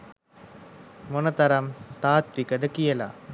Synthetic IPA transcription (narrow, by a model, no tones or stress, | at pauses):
mɔnɐt̪ɐɾɐmt̪aːt̪ʋikɐd̪ɐkijɐla̰